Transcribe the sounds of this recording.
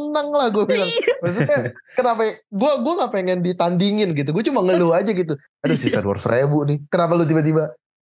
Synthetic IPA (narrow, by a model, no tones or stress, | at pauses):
naŋlahɡuabilaŋbas̬ut̪ɲakənapaɡuɛɡuaŋapeŋɛndit̪andiŋɪnɡit̪uɡuat͡ʃumaŋəload͡ʒaɡit̪̬u | adosisa̰dwɔ̰rsɾebuʔnɪhkənap̬alut̪̬ibat̪̬iba